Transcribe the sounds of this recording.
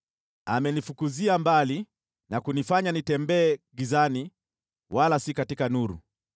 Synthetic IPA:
a̰mɛnifukuziambali | nakunifaɲanitɛmbɛːɡizani | walasikatikanuɾṵ

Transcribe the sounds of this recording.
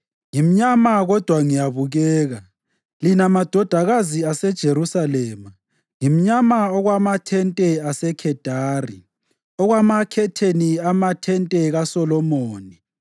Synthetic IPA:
ŋim̩ɲamaɣɔd̥ʱwaŋijaβuɣɛːɣa | linamad̥ʱɔd̥ʱaɣaziasɛd̥ʒ̥ʱeɾusalɛːma | ŋim̩ɲamaɔɣwamatʰɛntʼɛasɛkʰɛd̥ʱaːri | ɔɣwamakʰɛtʰeniamatʰɛntʼɛɣasɔlɔmoːni

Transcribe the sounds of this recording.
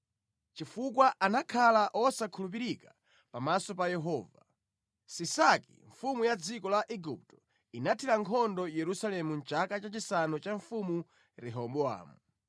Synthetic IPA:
t͡ʃifuk̬waʔanakʰalaʔɔsakʰulup̬iɾika | pamasɔpajɛɦɔːva | sisakḭɱfumujad͡zikɔlaʔɛɡup̚tɔ̥ | inatʰiɾaŋkʰɔndɔjɛɾusalɛmun̩t͡ʃakat͡ʃat͡ʃisanɔt͡ʃaɱfumu | ɾɛɦɔmbɔa̰ːmu

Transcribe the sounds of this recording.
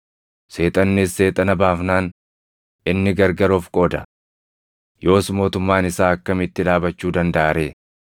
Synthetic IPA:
se̞ːt̪ʼɐnːɪsːe̞ːt̪ʼɐnɐbaːfnaːn | ɪnːɪɡɐɾɡɐɾoːfkʼo̞ːd̪ɐ | jo̞ːsmo̞ːt̪ʊmːaːnɪsaːɐkːɐmɪt̪ːɪᶑaːbɐt͡ʃːuːd̪ɐnd̪ɐʔaːɾe̞ː

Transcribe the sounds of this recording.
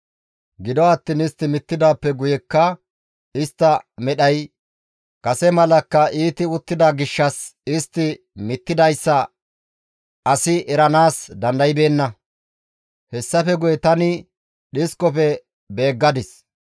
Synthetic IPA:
ɡɪd̪ɔɐt̪ːinɪst̪ːɪmɪt̪ːɪd̪aːpːɛɡʊjɛkːɐ | ɪst̪ːɐmɛɗɐj | kɐsɛmɐlɐkːɐʔiːt̪ɪʊt̪ːɪd̪aɡɪʃːɐsɪst̪ːɪ | mɪt̪ːɪd̪ɐjsːɐ | ɐsɪʔɛɾɐnaːsd̪ɐnd̪ɐjɪbe̞ːnːɐ | hɛsːɐfɛɡʊjɛt̪ɐnɪ | ɗɪskɔfɛ | be̞ːɡːɐd̪ɪs

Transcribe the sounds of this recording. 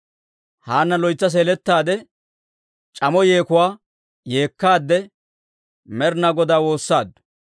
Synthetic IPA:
haːnːɐlɔjt͡sːɐs̬eːlɛt̪ːaːd̪ɛ | t͡ʃʼɐmɔje̞ːkʊwaː | je̞ːkːaːd̪ːɛ | mɛɾnɐɡɔd̪aːwo̞ːsːaːd̪ːʊ̥

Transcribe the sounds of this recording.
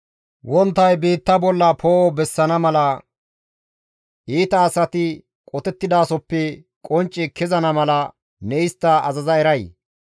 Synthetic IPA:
wɔnt̪ːɐjbiːt̪ːɐbɔlːɐpʰoːɔbɛsːɐnɐmɐlɐ | ʔiːt̪ɐːsɐt̪ɪ | kʼɔt̪ɛt̪ːɪd̪aːsɔpːɛ | kʼɔnt͡ʃʼːɪkʰɪzɐnɐmɐlɐ | nɛɪst̪ːɐɐzɐzɐɛɾɐj

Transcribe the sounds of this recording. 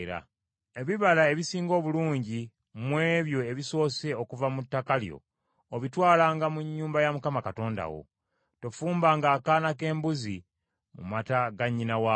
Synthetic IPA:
ɾa̰ | e̞βiβalae̞βisiːŋɡo̞ːβuluːɲɟi | mwe̞ːβjo̞e̞βiso̞ːse̞okuvamutːakaljo̞̰ː | βitwaːlaːŋɡamuɲːuːmbajamukamakato̞ːnda̰wo̰ | to̞fuːmbaːŋɡaːkaːnake̞ːmbuzi | mṵmataɡaɲːinawa

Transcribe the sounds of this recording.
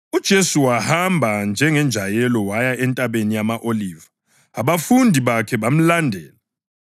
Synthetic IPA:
ud̥ʒ̥ʱesuwahambʱand͡ʒʱɛŋɛnd͡ʒʱajɛlɔwajaʔɛntʼaβenijamaʔolivaː | βafundʱiβakʰɛβam̩landʱɛːla

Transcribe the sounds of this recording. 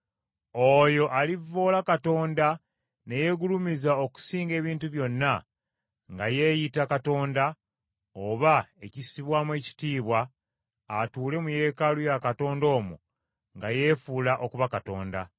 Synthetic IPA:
o̞jo̞ʔalivːo̞ːlakato̞ːnda | ne̞je̞ɡulumizaoku̥siːŋɡe̞ːβiːntuβjo̞nːa | ŋɡaje̞ːjitakato̞ːnda | oβae̞cisiβwamwe̞ːci̥tiːβwaː | tuːle̞muje̞ːkalujakato̞ːndo̞ːmṵ | ŋɡaje̞ːfuːlaʔo̞kuβakato̞̰ːnda

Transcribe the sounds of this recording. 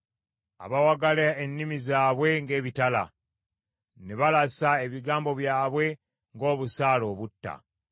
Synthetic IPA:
a̰βawaɡalaenːimizaːβwe̞ŋɡe̞ːβitala̰ | neβalasae̞βiɡaːmbo̞βjaːβwe̞ | ŋɡo̞ːβusaːlo̞ːβutːa̰

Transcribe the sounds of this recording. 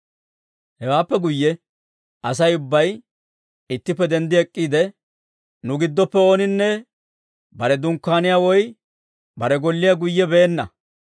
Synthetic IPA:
hɛwaːpːɛɡʊjːɛ | ʔɐsɐjʊbːɐj | ɪt̪ːɪpːɛd̪ɛnd̪ɪɛkʼːiːd̪ɛ | nʊɡɪd̪ːɔpːɛo̞ːnɪnːɛ | bɐɾɛd̪ʊŋkːaːnɪjaːwɔj | bɐɾɛɡɔlːɪjaɡʊjːɛbeːnːɐ̰

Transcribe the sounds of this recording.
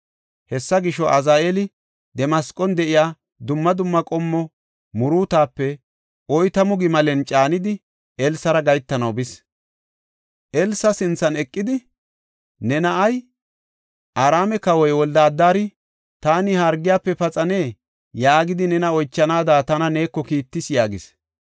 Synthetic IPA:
hɛsːɐɡɪʃɔʔɐzaːʔelɪ | d̪ɛmɐskʼːɔnd̪ɛʔɪjaː | d̪ʊmːɐd̪ʊmːɐkʼɔmːɔ | mʊɾuːt̪aːpːɛ | ɔjt̪ɐmʊɡɪmɐlɛnt͡ʃʼaːnɪd̪ɪ | ɛlsɐɾɐɡɐjt̪ːɐnɐwbɪs | ʔɛlsɐsɪnt͡sːɐnɛkʼːɪd̪ɪ | nɛnɐʔɐj | ʔaɾaːmɛkɐwɔjwɔld̪aːd̪ːaːɾɪ | t̪aːnɪhaːɾɡɪjaːpːɛpɐt͡sʼɐne̞ː | jaːɡɪd̪ɪnɛnɐɔjt͡ʃːɐnaːd̪aːt̪ɐnɐne̞ːkːɔkiːt̪ːɪsjaːɡɪs

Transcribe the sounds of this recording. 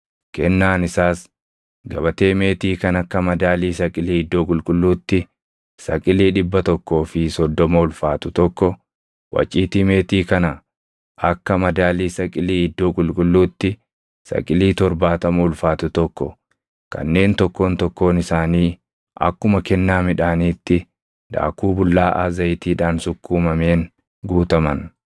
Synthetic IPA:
kɛnːaːnɪsaːs | ɡɐbɐt̪e̞ːme̞ːt̪iːkɐnɐkːɐmɐd̪aːliːsɐkʼɪliːɪd̪ːo̞ːkʼʊlkʼʊlːuːt̪ːɪ | sɐ̰kʼɪliːᶑɪbːɐt̪ɔkːo̞ːfɪsɔd̪ːɔmɐʊlfaːt̪ʊt̪ɔkːɔ | wɐ̰t͡ʃʼːiːt̪iːme̞ːt̪iːkɐnɐ | ɐkːɐmɐd̪aːliːsɐkʼɪliːɪd̪ːoːkʼʊlkʼʊlːuːt̪ːɪ | sɐ̰kʼɪliːt̪ɔɾbaːt̪ɐmʊʊlfaːt̪ʊt̪ɔkːɔ | kɐ̰nːe̞ːnt̪ɔkːo̞ːnt̪ɔkːo̞ːnɪsaːniː | ʔɐ̰kːʊmɐkɛnːaːmɪᶑaːniːt̪ːɪ | ᶑ̪a̰ːkuːbʊlːaːʔa̰zɐjt̪iːᶑaːnsʊkːuːmɐme̞ːŋ | ɡuːt̪ɐmɐn

